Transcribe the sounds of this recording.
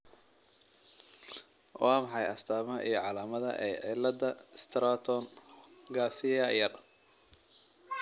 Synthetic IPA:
wɑːmɑħɑjɐst̪ʰaːmɐʔḭjɞʕɑlaːmɐðɐ̰ʔɛ̰ːʕɪlːɐd̪ɐst̪ʰɾaːt̪ʰɔnɡaːsɪjɐjɐr

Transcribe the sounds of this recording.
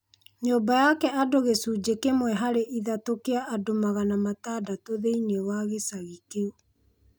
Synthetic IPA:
ɲoːbajakɛʔadoɣesuːd͡ʒekemwɛɦaɾeʔiðatokeaʔadomaɣanamataːdatoðeinewaɣesaɣikeo

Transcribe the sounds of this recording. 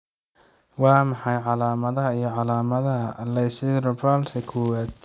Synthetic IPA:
wɑːmɑħɑjʕɑlaːmɐðɐɦɐijɞʕɑlaːmɐðɐɦɐlɛsɪrɔbɐlsɐkʰʊwaːd̪̚

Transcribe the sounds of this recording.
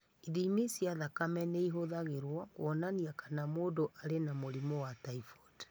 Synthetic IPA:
iðimisiaðakamɛnɛiɦoðaɣeɾwakw̰ɔnaniakʰanamoːdoʔaɾenamoɾimɔwataifɔd

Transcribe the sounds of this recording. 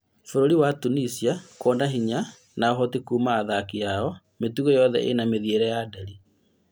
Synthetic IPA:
foɾoɾiwatunisiakɔːndaɦiɲa | naoɦɔtikuːmaːðakijaɔ | metuɣɔjɔðɛ̰ʔḛnameðieɾɛjadaɾi

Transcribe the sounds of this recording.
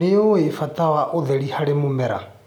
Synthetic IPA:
eoefatawaʔoðɛɾihaɾemumɛɾa̰

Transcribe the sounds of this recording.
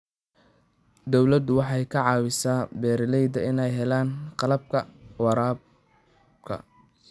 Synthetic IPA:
d̪ɔwlɐd̪ʊwɑħɑjkʰɐʕɑːwɪsaːbɛːɾɪlɛjd̪ɐɪnɛjɦɛlaːnqɑlɐb̚kʰɐwɑɾaːb | kʰɐ̰

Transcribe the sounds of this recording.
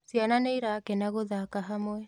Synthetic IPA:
siananeiɾaːkɛnaɣoðakaɦamwɛ

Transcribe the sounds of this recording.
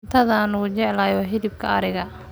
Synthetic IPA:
t̪ʰɐðɐnʊt͡ʃɛʕlaːjɔɦɪðɪb̚kʰɐɐɾɪɣɐ

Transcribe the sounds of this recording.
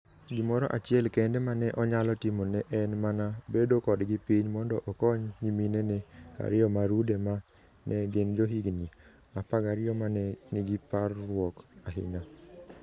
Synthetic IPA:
ɡɪmɔɾɔʔat͡ʃɪɛlkɛndemanɛʔɔɲalɔtimonɛʔɛnmanabedokɔdɡɪpiɲmɔndɔʔɔkɔɲɲiminenea̰ɾɪɔmaɾudema | nʔɛɡend͡ʒoɦiɡni | apaɡaɾɪjɔmanɛniɡiparːwɔkaɦɪ̰ɲa

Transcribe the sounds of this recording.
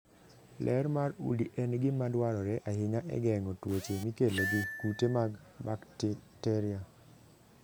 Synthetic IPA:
lʔɛɾmaɾṵliʔɛnɡɪmadwaɾɔɾɛʔahɪɲaʔɛ̰ɡɛŋɔtwot͡ʃemikeloɡikutemaɡ | bakttɛɾia

